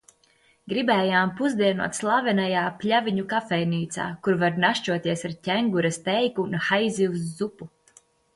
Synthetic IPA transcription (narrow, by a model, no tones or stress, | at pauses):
ɡɾibɛːjaːmpuzd̪iɛnṵɔt̪slˠavɛnajaːplʲaviɲukafɛjniːt̪sa̰ːkuɾvaɾnaʃt͡ʃuɔt̪iɛsaɾtʲɛŋɡuɾast̪ɛjkunxajziwusːupu